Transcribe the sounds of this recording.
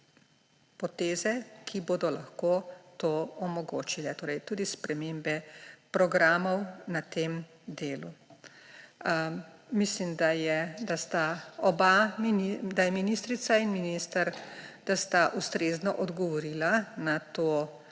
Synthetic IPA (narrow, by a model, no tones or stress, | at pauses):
pɔt̪eːzɛkʰiboːd̪ɔlaxkoːt̪oːɔmɔɡo̰ːt͡ʃilɛt̪oːɾɛjt̪uːd̪ispɾɛmeːmbɛpɾɔɡɾaːmɔwnat̪eːm | d̪eːlu | mislimd̪ajɛd̪ast̪aɔbamnid̪ajɛminist̪ɾit̪sainminist̪aɾd̪̥ast̪aʔust̪ɾeznɔʔɔd̪ɡɔʋɔɾiːlanat̪oː